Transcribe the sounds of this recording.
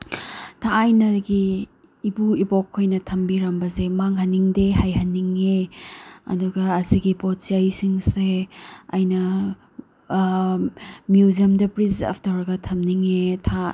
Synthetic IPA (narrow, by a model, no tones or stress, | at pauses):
tʰaːjnɐɡiː | buibokʰːojnɐtʰɐmbiɾɐmbɐzemaŋɦɐnːiŋdeɦajɦɐnːiŋe | ɐ̰duɡɐːziɡibɔt̚siajsiŋseajnɐ | mjuziɐmdɐpɾiza̰pʰtɐɾɡɐtʰɐmniŋetʰa